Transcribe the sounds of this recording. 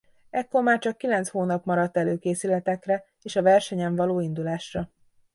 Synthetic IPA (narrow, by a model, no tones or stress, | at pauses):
ɛkːo̞rmaːrt͡ʃɒkːilɛnt̪shoːnɒpmɒɾɒt̪ːɛløːkeːsylɛt̪ɛkrɛ | eːʃɒvɛrʃɛɲɛɱvɒloːind̪ulaːʃrɒ